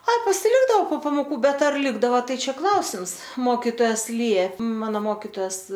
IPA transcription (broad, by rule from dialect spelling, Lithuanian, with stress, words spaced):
ˈɐ pɐsʲɪˈlʲɪɡdɐoː poː pɐmoːˈkuː ˈbʲɛt ɐr ˈlʲɪɡdɐʋɐ ˈtɐɪ ˈt͡ʃʲɛ ˈklˠɐʊsʲɪms ˈmoːkʲɪtoːjɛs ˈlʲiɛp ˈmɑːnoː ˈmoːkʲɪtoːjɛs